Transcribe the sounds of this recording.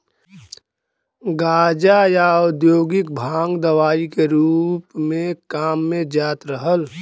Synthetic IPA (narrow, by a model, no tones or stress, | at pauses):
ɡaːd͡ʒajaʊd̪joːɡɪkbʱaːŋɡd̪əwaːikeɾuːpmẽkaːmːẽd͡ʒaːt̪ɾəɦəl